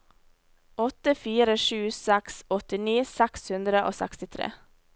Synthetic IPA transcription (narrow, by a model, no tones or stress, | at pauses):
ʔɔt̪əfiːɾəʃʉːsɛksɔt̪ɪniːsɛkshʉnd̪ɾəʔo̰ːsæ̰kst̪ɪt̪ʰɾḛː